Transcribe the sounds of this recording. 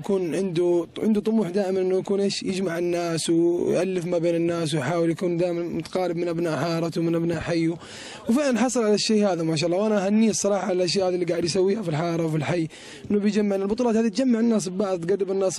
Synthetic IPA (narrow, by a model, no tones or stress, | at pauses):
kuːnʕɪnd̪uʕɪnd̪ut̪ˤʊmuːħd̪aːʔɪmanʔɪnːujakuːnʔeːʃjɪd͡ʒmaʕɪnːaːswjʔalːɪfmabeːnɪnːaːswjħaːwɪljakuːnd̪aːjmanmʊt̪ḁqɑːɾɪbmɪnʔabnaːʔħɑːɾˤɑt̪uwmɪnʔabnaːʔħajːu | wfɪʕlanħɑsˤɨlʕalaʃːeːhaːðamaːʃ̬aːʔlːɑwʔanaʔaɦanːijːsˤːɑɾˤɑːħalalʔaʃ̬jaːʔhaːd̪ilːiɡaːʕɪd̪jsawːiːhafilħɑːɾˤɑwfilħajː | ʔɪnːubɪjd͡ʒamːaʕnalbʊt̪ˤulɑːt̪haːðiat̪d͡ʒamːaʕɪnːaːs̬bbɑʕðˤt̪ɡadːɪbɪnːaːs